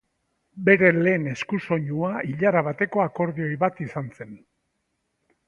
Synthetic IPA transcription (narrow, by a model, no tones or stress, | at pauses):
be̞ɾe̞le̞ːne̞skuso̞ɲuaiʎaɾaβat̪e̞ko̞ako̞ɾðio̞jβat̪isanse̞n